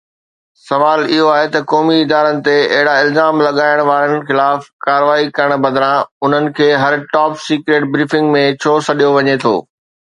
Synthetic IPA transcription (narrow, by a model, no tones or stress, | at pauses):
sɐʋaːlɪɦoaːɦet̪ɐkɔːmiɪd̪aːɾənɪ̆t̪eɐ̰ɦɪɽaɪlzaːmlɐɠaːɪɽ̃ʋaːɾənɪ̆xɪlaːfkaːɾəʋaːikɐɾəɽ̃bɐ̃d̪ɾãʊn̤ənɪ̆kʰeːɦɐɾʈɔːpsiːkɾeːʈ̚bɾiːfɪ̃ŋɡmẽt͡ɕʰoːsɐɗijoʋɐɲet̪ʰo̰ː